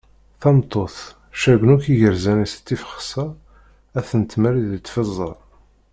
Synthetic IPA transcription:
θɑmt̪ˤːoθ | ʃæɡʷnukiʝəɾzænist̪ːifə̥χsɑ | æθənt̪mæɾiðət̪ːfəzˤːɑ̰ɾˤ

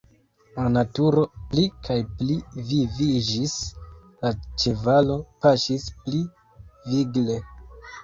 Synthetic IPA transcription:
lanatuɾo̞plikʰajplivivid͡ʒis | lat͡ʃe̞valo̞paʃispli | viɡle̞

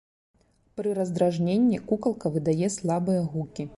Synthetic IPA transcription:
pɾɨɾɐzd̪ɾaʐnʲenʲːikukɐlˠkɐvɨd̪ajɛslˠabɨjɐɣukʲi

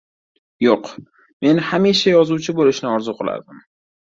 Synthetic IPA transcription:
joq | menhamiʃajɒzuwt͡ʃʰɪbolɪʃnɪɒɾzʊqʰɨlˠa̰ɾd̪ɪm

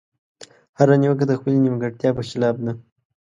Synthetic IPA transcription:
haɾaniwək̬ad̪əxpəlinimɡaʈt̪jɑpəʃɪlɑb̚d̪a

